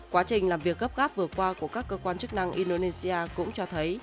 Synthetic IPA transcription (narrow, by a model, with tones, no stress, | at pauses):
kwaː˨˦t͡ɕï˨˩ŋ̟laː˨˩mvi˨˩ək̚ɣə˦˥p̚ɣaː˦˥p̚vɨ˨˩əkwaː˧ku˧˩əkaː˦˥kːəː˧kwaː˧nt͡ɕɨ˦˥k̚na˧ŋʔi˧ndo˧ne˧si˧ʔaː˧kʊ̰˧˥ŋ͡mt͡ɕɔ˧t̪ʰə˨˦j